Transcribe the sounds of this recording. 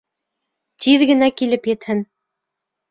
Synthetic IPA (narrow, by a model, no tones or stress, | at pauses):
t̪ʰiðɡɘ̆nækilɘpjɘ̆t̪hɘn